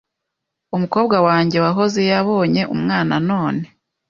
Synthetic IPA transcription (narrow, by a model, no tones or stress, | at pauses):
umukoːbɡawaːɲɟe̞waɦo̞zejaβo̞ːɲe̞ʔumŋaːnano̞ːne̞